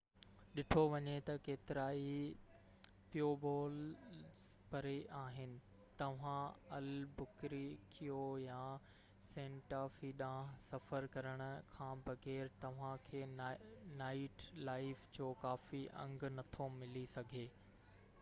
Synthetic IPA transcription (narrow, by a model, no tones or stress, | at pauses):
ɗɪʈʰoʋɐɲet̪ɐkeːt̪ɪɾaːi | pijobɔːlzpɐɾeʔaːɦɪnɪ̆ | t̪ɐʋ̤ãɐlbʊkɾikʰijojaː | sẽːɳʈaːfiːɗãːsɐfəɾkɐɾəɽ̃ʊ̆kʰãːbɐɣɛːɾt̪ɐʋ̤ãkʰeːnaːɪʈlaːɪfd͡ʑoːkaːfiʔɐ̰̃ŋɡnɐt̪ʰomɪlisɐɡʱeː